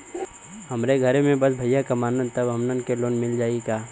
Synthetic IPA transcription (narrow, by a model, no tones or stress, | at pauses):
ɦɐmɾeɡʱɐɾemẽbɐsbʱɐjːakɐmaːnənt̪əbɦɐmnənkeloːnmɪld͡ʒaːikaː